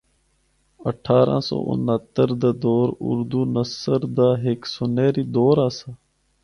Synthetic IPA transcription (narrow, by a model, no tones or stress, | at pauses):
əʈʰːaːɾã̰ːso̰ːʔʊ̰nɦət̪əɾd̪aːd̪oːɾʊ̰ɾd̪uːnəsəɾd̪aːɦeksoneːɾiːd̪oːɾãːsaː